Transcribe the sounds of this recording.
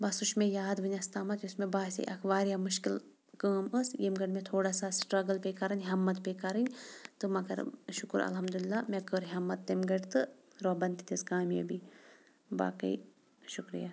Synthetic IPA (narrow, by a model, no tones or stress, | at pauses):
bɐsuʃmejaːd̪ʋɨnʲast̪aːmɐt̪jusmebaːsḭʔɐkʰʋaːɾjamuʃkil | kəːməsjemɡɐɖmẽt̪ʰoːɽaːsasʈɾɐɡɐlpekɐɾɐnʲɦɐmːɐt̪pekɐɾɨnʲt̪ɨmɐɡɐ̰ɾʃʊkuɾɐ̰lɦɐmd̪ulilːamekəɾɦɐmːɐt̪ːemɡɐɖt̪ɨ | ɾobɐnt̪it̪ʰiskaːmḛbi | ba̰ːkɐ̰j | ʃukɾḭja